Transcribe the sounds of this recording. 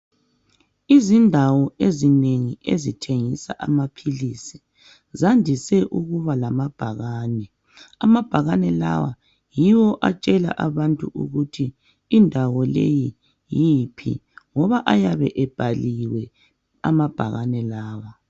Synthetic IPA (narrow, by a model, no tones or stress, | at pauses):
izindʱawɔezineŋiezitʰeŋisa̰ʔamapʰilisi | zandʱisɛʔuɣuβalamab̥ʱaɣaːnɛ | amab̥ʱaɣanɛla̰wa̰ | jiwɔʔat͡ʃʼɛla̰ʔaβantʼuʔuɣutʰiː | ndʱawɔlḛji | jipʰḭŋɔβaʔajaβɛʔɛb̥ʱaliwɛ | a̰mab̥ʱaɣanɛlaːwa